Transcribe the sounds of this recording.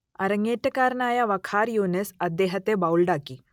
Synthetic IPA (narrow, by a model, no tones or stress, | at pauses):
ɐ̰ɾəŋɡeʈəkaɾnaːjaʋɐkʰaːɾjonesɐd̪ːeɦɐt̪ebaulɖaki